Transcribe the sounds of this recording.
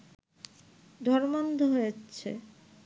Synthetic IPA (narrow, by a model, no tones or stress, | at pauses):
d̪ʱɔɾmand̪ʱoɦojet͡ɕʰḛ